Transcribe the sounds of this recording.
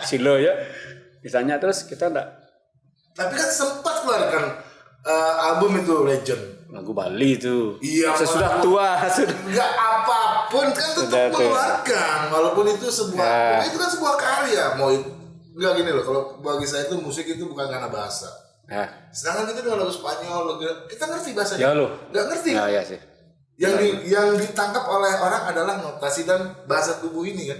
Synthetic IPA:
siloja | misalɲat̪əɾʊskit̪anda̰ʔ | t̪ap̬ikansəmpat̪̚kluarkan | əabəmit̪̬uled͡ʒənla̰ɡuba̰lit̪uijasaudaht̪uasudaɡaʔːpapʊnkant̪əd̪at̪larkankalopʊnit̪usəbuaait̪ukansəbuahkaliamawit̪ | ŋɡaʔɡinilokalobaɡis̬ajait̪umusɪkit̪̬ubukankanabaɦa̰sa̰ | asənaŋankit̪adiwalalusə̥paat̪̚ɲawalokilakit̪aŋərt̪ibaɦasaɲloŋɡaʔŋərt̪ijasɪ | jaŋdijaŋdit̪aŋkap̚olɛhoɾaŋadalahnot̪asidanbaɦasat̪ubʊhinikan

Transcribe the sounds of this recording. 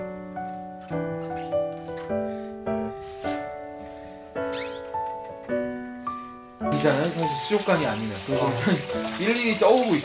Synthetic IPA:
id͡ʑanɯnkaŋsʰiɕ͈ʰiok͈aɲiaɲimejokɯɾiɡʌɯniɭːiɾit͈ʌuɡoi

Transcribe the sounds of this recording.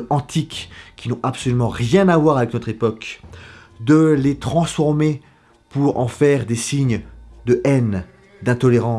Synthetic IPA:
ɑ̃t̪ʰikʲːinɔ̃ʔapsɔlymɑ̃ʁjɛ̃navwaʁavɛknɔt̪χepɔk | d̪əlet̪χɑ̃sfɔʁme | puʁɑ̰̃fɛʁd̪esiɲd̪əʔɛn | d̪ɛ̃t̪ɔleʁɑ̃

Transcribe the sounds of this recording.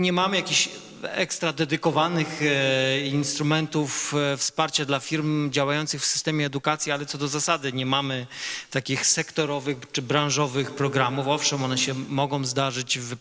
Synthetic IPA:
ɲɛmamɘjakʲiɕ | ɛ̰kst̪ɾad̪ɛd̪ɘkɔvanɘx | inst̪ɾumɛnt̪uffspaɾt͡ɕad̪lafʲiɾmd͡ʑawajɔnt̪sɘxfsɘ̥st̪ɛmʲjɛːd̪ukat̪sʲjialɛt̪sɔd̪ɔzasad̪ɘɲɛmamɘt̪akʲixsɛkt̪ɔɾɔvɘxt͡ʂɘbɾãñʐɔvɘxpɾɔɡɾamufɔfʂɛmɔnɛɕɛmɔɡɔ̃w̃zd̪aʐɘd͡ʑv

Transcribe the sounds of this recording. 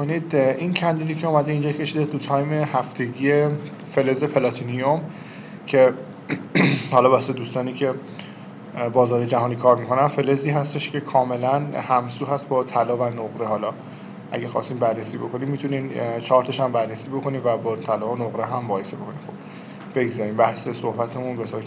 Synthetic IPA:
onid̪ʔincʰænd̪id̪iːcʰeuːmæd̪eind͡ʒɒːkʰe̞ʃid̪et̪ʰut̪ʰɒːjmehæft̪ʰe̞ɟiːje̞ | fe̞le̞ze̞pʰelɒt̪ʰiniom | cʰe̞ | hɒlɒːbæsed̪uːst̪ɒːniːcʰe̞ | bɒːzɒːɾejed͡ʒæɦɒːniːkʰɒːɾmikʰo̞nænfe̞leziːɦæst̪e̞ʃcʰe̞kʰɒːme̞lænhæmsuːɦæst̪̚bɒːt̪ʰælɒːvænoɣɾe̞hɒːlɒː | ʔæ̰ɡæxɒ̰st̪iːmbærːesiːbo̞kʰo̞niːmːit̪ʰunint͡ʃʰɒːɾt̪ʰɒʃæmbærːesiːbo̞kʰo̞niːmvæbɒt̪ʰælɒːonoɣɾeɦæmbɒːjesebe̞kʰo̞niːmxo̞b̥ | b̥e̞ɡzæɾiːmbæhse̞sohbæt̪ʰe̞munbesɒːɾ

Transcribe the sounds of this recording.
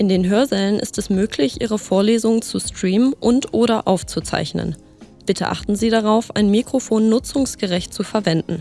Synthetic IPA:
ʔɪndeːnɦøːɐzɛlənʔɪ̰stʰɛsmøːklɪçʔiːʁ̞əfoːɐleːzʊŋt͡suskʁ̥iːmənʔʊntʔoːɾɐʔaʊft͡sut͡sa̰ɪçnə̰n | b̥ɪtʰəʔa̰χtn̩ziːɾaʁaʊfa̰ɪnmikʁ̥ofoːnːʊt͡sʊŋsɡ̥əʁɛçt̚t͡sufɛɐvɛndn̩

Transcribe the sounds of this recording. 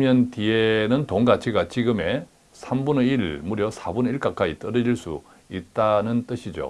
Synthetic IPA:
mjʌntienɯntoŋɡat͡ɕʰiɡat͡ɕiɡɯme̞ | sʰambuneiɭmuɾjʌsʰabuniɭk͈ak͈ait͈ʌɾʌɾiɭs͈ṵ | it̚t͈anɯnt͈ɯɕʰid͡ʑo̰

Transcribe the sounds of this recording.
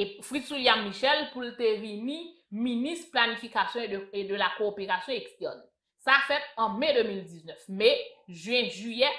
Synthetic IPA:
efʁid̪swiljamːiʃɛlpult̪evini | minisplanifikasjɔ̃eed̪əlakoːpeʁasjɔ̃ekst̪ɛʁn | safɛt̪̚ɑ̃med̪ømildiznœfmɛʒɥɛ̃ʒyjɛ

